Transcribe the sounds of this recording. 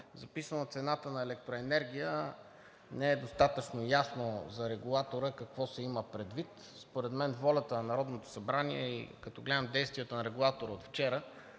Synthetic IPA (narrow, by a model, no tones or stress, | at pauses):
zɐpisənot̪sɛnat̪ənɐɛlɛkt̪ɾoɛnɛɾɡʲijə | nɛɛd̪ost̪at̪ət͡ʃnojasnozɐɾɛɡulˠat̪oɾəkɐkvɔsɛiməpɾɛd̪vit̪ | spoɾɛd̪mɛnvɔlʲət̪ənɐnɐɾɔd̪not̪o̥sɐbɾaniɛḭkɐt̪ɔɡlɛd̪əmd̪ɛjst̪viɛt̪onɐɾɛɡulˠat̪oɾəot̪ft͡ʃɛɾə